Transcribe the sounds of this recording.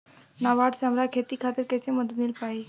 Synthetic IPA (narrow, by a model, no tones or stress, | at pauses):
naʋaʈsamɾakʰet̪ikʰat̪əɾkɛsẽməd̪ət̪milpai